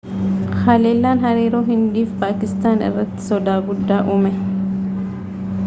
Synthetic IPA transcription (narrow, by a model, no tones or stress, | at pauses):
xɐleːlːaːnɦɐɾiːɾoːɦɪnd̪iːfpaːkɪst̪aːnɪ̰rːɐt̪ːɪ̥sɔd̪aːɡʊd̪ːaːʔʊmɛ